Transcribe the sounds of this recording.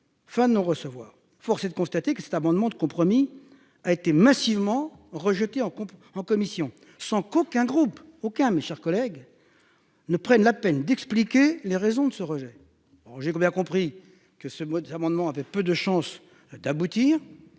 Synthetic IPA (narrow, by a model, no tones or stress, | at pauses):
fɛ̃d̪ənɔ̃ʁəsəvwa̰ːʁ | fɔʁsɛd̪əkɔ̃st̪at̪ekəsɛ̥t̪amɑ̃d̪mɑ̃d̪əkɔ̃pχɔmi | aet̪emasivmɑ̃ʁəʒət̪eɑ̃kɔ̃ɑ̃kɔmisjɔ̃ | sɑ̃kokʲɛ̃ɡʁupokʲɛ̃meʃɛʁkɔlɛɡ | nəpχɛnlapɛnd̪ɛksplikʲeleʁezɔ̃d̪əsəʁəʒɛ | ɔʒekbjɛ̃kɔ̃pχi | kəsəmamɑ̃d̪mɑ̃avɛpød̪əʃɑ̃s | d̪abut̪iːʁ